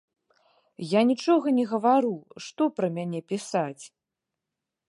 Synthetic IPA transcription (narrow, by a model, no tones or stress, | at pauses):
janʲit͡ʂɔɣɐnʲɛɣɐvaɾuʂt̪ɔpɾɐmʲanʲɛpʲisat͡sʲ